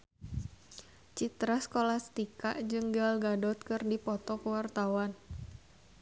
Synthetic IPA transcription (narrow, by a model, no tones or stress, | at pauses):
t͡ʃit̪ɾaskolahsə̥t̪ika̰ʔd͡ʒɨŋɡalɡadɔt̪̚kɨrdipɔt̪ɔkəwart̪awan